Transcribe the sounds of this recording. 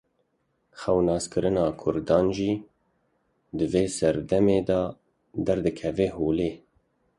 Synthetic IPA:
xɛwnɑːskɨɾɨnɑːkʰʊɾd̪ɑːnʒiː | d̪ɨveːsɛɾd̪ɛmeːd̪ɑː | d̪ɛɾd̪ɨkʰɛveːhoːleː

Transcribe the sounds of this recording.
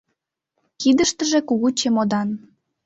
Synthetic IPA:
kid̪əʃt̪ə̆ʒĕkuɣut͡ɕemod̪ɑn

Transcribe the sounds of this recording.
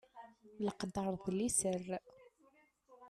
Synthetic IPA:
ləqd̪əɾˤðˤlisər

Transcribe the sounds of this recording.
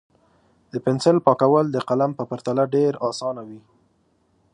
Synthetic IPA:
d̪̥əpɪnsɪlpɑkawəld̪əqalampəpaɾt̪alaɖeɾɑsɑnawi

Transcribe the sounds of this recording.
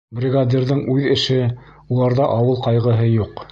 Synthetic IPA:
brʲɪɡad̪ʲirðɤɴʔʉðɘ̆ʃɘ | ulˠɑɾðɑʔɑwɤlˠqɑjʁɤ̆ɦɤjuq

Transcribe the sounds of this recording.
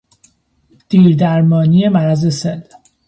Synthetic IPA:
d̪̥iːɾd̪æɾmɒːnije̞mæɾæzesel

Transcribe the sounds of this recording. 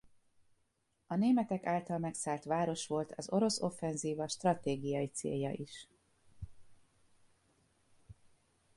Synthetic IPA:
ɒneːmɛt̪ɛkaːlt̪ɒlmɛksaːlt̪ʋaːɾo̞ʃʋo̞lt̪ʰɒzo̞ɾo̞so̞fːɛnziːvɒʃt̪rɒt̪eːɡijɒit̪sḛːjɒ̰ʔiʃ

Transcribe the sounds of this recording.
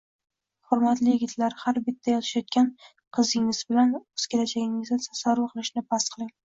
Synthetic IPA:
χʊɾmat̪lɪjɪɡʲɪt̪ʰlaɾhaɾbɪt̪ʰːajɒt̪ʰɪ̥ʃjɒt̪̚kʲan | qʰɨzɪŋɪz̥bɪlanɵz̥kʲelad͡ʒaɡʲɪŋɪzd̪ɪsʰasaɾʊqʰɨlˠɪʃnɪbast̪qʰɨlˠɪŋ

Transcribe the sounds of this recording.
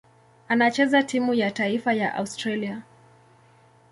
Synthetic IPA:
anat͡ʃɛzatimujataifaja̰ʔa̰ustɾalia

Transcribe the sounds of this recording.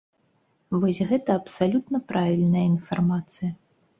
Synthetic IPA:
vɔsʲɣɛt̪ɐɐpsalʲut̪nɐpɾavʲilʲnɐjɐinfarmat̪sɨjɐ

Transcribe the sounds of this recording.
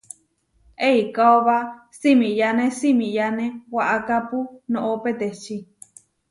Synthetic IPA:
eikaoβa | simĩjanẽsimĩjanẽwaʔakapunõʔopet̪et͡ʃi

